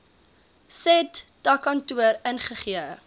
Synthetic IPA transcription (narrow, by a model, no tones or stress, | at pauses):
sɛtdɐkɐntuəɾənχəχiə